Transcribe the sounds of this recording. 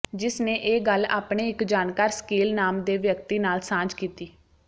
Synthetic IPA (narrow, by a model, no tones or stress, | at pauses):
d͡ʒɪsnẽːʔeːɡəla̰ːpɳeːɪkd͡ʒaːnkaːɾsə̥kiːlnaːmd̪eːʋjəkt̪iːnaːlsãːd͡ʒkiːt̪iː